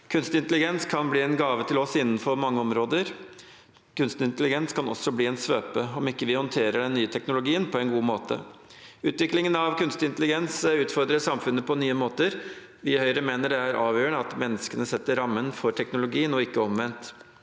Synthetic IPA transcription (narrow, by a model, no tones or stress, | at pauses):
kʰʉnst̪ɪnt̪əlɪɡɛnskʰɑnbliːɛnɡɑːʋət̪ʰɪlɔsɪnːn̩fɔɾmɑŋːəɔmɾoːd̪əɾ | kʰʉnst̪ɪnt̪əlɪɡɛnskʰɑnɔ̰sːɔbliːɛnsʋøːpəɔmɪkːəʋɪhɔnt̪ʰeːɾəɖɛnːyːət̪ʰɛknʊlʊɡiːənpʰɔɛnɡuːmoːt̪ə̰ | ʉːt̪ʋɪklɪŋənɑʋkʰʉnst̪ɪnt̪əlɪɡɛnsʉːt̪fɔɾd̪ɾəʂɑmfʉnːəpʰɔnyːəmoːt̪əɾ | ʋɪhœʏɾəmeːnəɖɛæɾʔɑːʋjøːəɳəɑt̪mɛnːəskənəsɛt̪ːəɾɑmːənfɔʈʰɛknʊlʊɡiːənɔɪkːəɔmʋɛnt̪